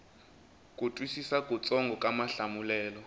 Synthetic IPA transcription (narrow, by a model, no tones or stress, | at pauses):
kʼutʼwisisakʼut͡sʼɔŋɡʱɔkʼamaɬamulɛːlɔ